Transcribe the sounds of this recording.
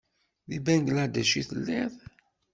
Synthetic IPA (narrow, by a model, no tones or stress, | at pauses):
ðibænɡlæd̪æʃiθəlːið